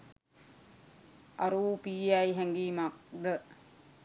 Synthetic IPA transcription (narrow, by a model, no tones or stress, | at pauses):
ɐ̰ɾuːpiːajɦɛŋɡiːmak̚d̪ə